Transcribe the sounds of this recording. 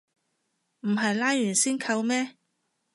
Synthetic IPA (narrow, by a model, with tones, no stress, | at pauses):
m̩˨˩ɦɐ˨jlaː˥jːyː˨˩nsiː˥nkʰɐ˧wmɛː˥